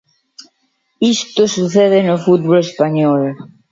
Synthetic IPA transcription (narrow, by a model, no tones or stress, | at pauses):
ist̪osuθeðenʊfut̪̚βolespaɲɔl